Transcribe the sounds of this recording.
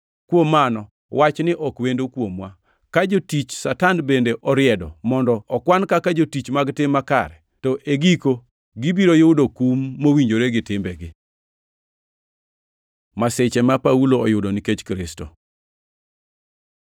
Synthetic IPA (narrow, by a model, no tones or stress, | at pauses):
kwomːanɔ | wat͡ʃnɪʔɔkwendokwomwa | kad͡ʒotit͡ʃsatanbendeʔɔɾɪjɛdɔmɔndɔːkwankakad͡ʒotit͡ʃmaɡtɪmːaka̰ɾɛ | tɔʔeɡiko | ɡibiɾojodokumːowiɲd͡ʒoɾeɡɪtɪmbɛɡɪ | maset͡ʃɛmapauloɔjʊdoniket͡ʃkɾɪsto̰